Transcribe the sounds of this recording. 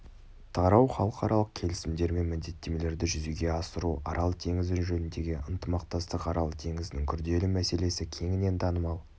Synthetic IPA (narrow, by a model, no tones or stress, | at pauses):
t̪ʰɑɾɑwχɑlˠəqɑɾɑlˠəq̚kʲʰe̞lɪsɪmd̪e̞ɾme̞nmɪnd̪e̞t̪ːe̞me̞le̞ɾd̪ɪʒʏzuɡʲe̞ɑsəɾuɑ̰ɾʔɑlˠt̪ʰe̞ŋɪzd̪ɪnʒɵnɪnd̪e̞ɡʲɪənt̪əmɑqt̪ɑst̪əqɑɾɑlˠt̪ʰe̞ŋɪzɪnɪŋkʲʰʏɾd̪e̞lɪmæse̞le̞sɪkʲʰe̞ŋɪne̞nt̪ʰɑnəmɑlˠ